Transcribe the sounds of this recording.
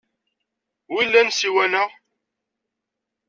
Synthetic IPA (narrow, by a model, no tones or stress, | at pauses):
wilːænsiwænæʁ